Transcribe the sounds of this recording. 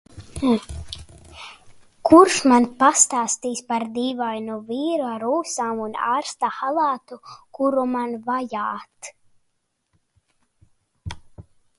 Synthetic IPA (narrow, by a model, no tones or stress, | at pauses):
kuɾʃmanpast̪aːst̪iːsʲpaɾd̪iːvajnuviːɾuaɾuːsaːmuna̰ːɾst̪axalˠaːt̪ukuɾumanvajaːt̪